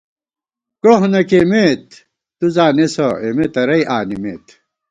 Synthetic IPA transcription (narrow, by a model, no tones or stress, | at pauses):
koɦnɐkemeːt̪ː | uzaːnesoemet̪ɐɾɐiʔaːnimḛːt̪